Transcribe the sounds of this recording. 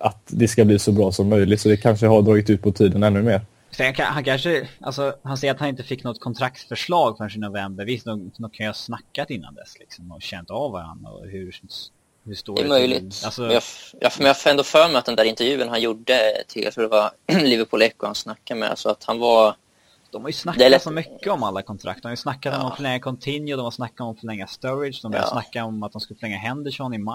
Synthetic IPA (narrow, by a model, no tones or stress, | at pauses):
ʔat̪d̪ɛskabliːsɔbɾɑːsɔmːœjlɪt̪sɔd̪ɛkʰanʂəɦaɖ̪ɾɑːɡɪt̪ʉ̟ːt̪̚pʰɔt̪ʰiːd̪ənɛnːɵmeːɾ | sɛkʰahankʰanʂəʔa̰lsɔhansɛjəɾat̪hanɪnt̪əfɪkːnɔt̪kʰɔnt̪ʰɾak̚t̪fœʂɭɑːɡfœnʂinːɔvɛmbəɾvɪst̪od̪okʰanjəhasnakːat̪ɪnːa̰nd̪ɛ̰slɪksɔmɔɕɛnt̪avvaɾa̰nd̪ɾa̰ɔ̰hʉ | hʉʂt̪oːdɛ̰mœjlɪ̰t̪alsɔjɑjɑ̰mɛjafɛnd̪ofœːɾmɛat̪̚d̪ɛnd̪æɾɪnt̪ɛɾjʉ̟ːənhanjuɖːət̪ʰɪlj̰t̪ʰɾud̪ɛvalɪvəɾpʰuːlɛkːʊhansnakːamɛ̰a̰lsɔat̪hanva | d̪̥ɔmhaɾjɵsnakd̪ɛt̪sɔmʏkːəɔmalːakʰɔnt̪ʰɾʔa̰k̚t̪ɔmajsnakːad̪ɔmɔmfœlɛŋːakʰɔnt̪ʰɪnjʊd̪ɔmhasnakːaɔmfœɭɛŋːast̪ɔɾɪdʂd̪ɔmbœ̰ɾja̰snakːaɔmat̪̚d̪ɔmskɵləflɛŋːaɦɛnd̪ɪʂɔnːɪm